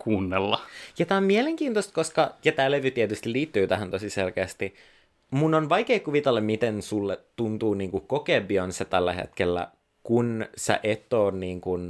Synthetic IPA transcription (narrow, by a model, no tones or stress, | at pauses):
kʰuːnːelːɑjɑt̪æommieleŋkiːnt̪ost̪̚koskɑjɑt̪æːleʋyt̪iet̪yst̪iliːt̪ːyːt̪æɦænt̪osiselkeːst̪i | munːonʋɑjkeːkuʋit̪elːɑmmit̪ensulːet̪ːunt̪uːniːŋkukokeːbionset̪ælːæ̰hḛt̪kelːæ̰ | kunsḛʔet̪ːˑoːnniːŋkun